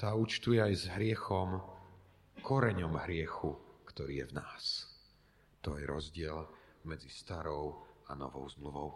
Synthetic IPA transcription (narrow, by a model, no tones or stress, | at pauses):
t̪aːut͡ʃt̪ujɛajzɦɾɪɛxɔm | kʰɔɾɛɲɔmɦɾɪɛxukt̪ɔɾiːjɛvna̰ːs | t̪ɔɛɾɔzɟɪɛl | mɛd͡zist̪aɾɔʊanɔ̰ʋɔ̰ʊzmluʋɔʊ